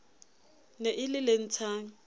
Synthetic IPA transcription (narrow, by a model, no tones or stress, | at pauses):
neʔɪlɪlen̩t͡sʰaːŋ̩